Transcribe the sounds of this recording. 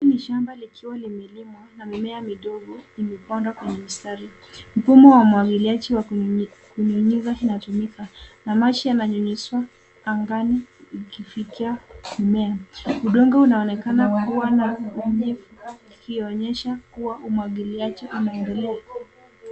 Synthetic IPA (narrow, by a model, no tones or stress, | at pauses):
imiʃambalikʰiwalimɛlimwanamimɛamiɗɔɠɔimɛpɔndwakwɛɲɛmistaɾi | m̩fumɔwamuaɡiliad͡ʒiwakuɲuɲizainatumikanamat͡ʃijanaɲuɲiswaː | ŋɡanikifikiamimɛauɗɔŋɡɔunaɔnɛkanakuwanaɲifuikiɔɲɛʃakuwaʔumwaɠiliat͡ʃiʔunaɛndɛlɛa